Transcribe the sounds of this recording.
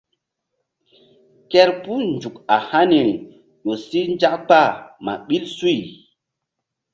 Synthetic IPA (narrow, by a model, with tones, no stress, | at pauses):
kɛ˦ɾpu˦nd͡ʒu˨ka˨ha˦ni˨ɾi˨ | ɗo˨si˦nd͡ʒa˦kk͡pa˦˨ma̰˨ɓi˦lsu˦i˨